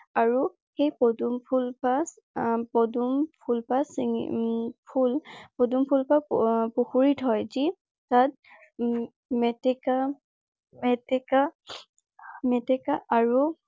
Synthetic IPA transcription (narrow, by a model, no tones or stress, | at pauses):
aɹu | xejpɔdumpʰulpas | pɔdumpʰulpasi | pʰulpɔdumpʰulpapuxuɹitʰɦɔjzi | tat̚ | mɛtɛka | mɛtɛka | mɛtɛkaʔaɹu